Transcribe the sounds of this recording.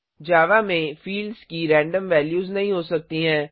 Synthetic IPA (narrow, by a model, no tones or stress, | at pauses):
d͡ʒaːʋamẽfiːlɖzkiɾɛ̃ːɳɖəmʋɛːljuːznɐɦĩɦoːsɐk̚t̪iɦɛ̃ː